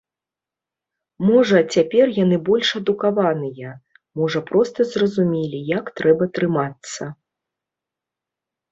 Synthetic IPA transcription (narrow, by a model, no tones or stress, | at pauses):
mɔʐɐt͡sʲapʲɛrjanɨbɔlʲʂɐd̪ukavanɨjɐ | mɔʐɐpɾɔst̪ɐzrɐzumʲelʲijakt̪ɾɛbɐt̪ɾɨmat̪sːɐ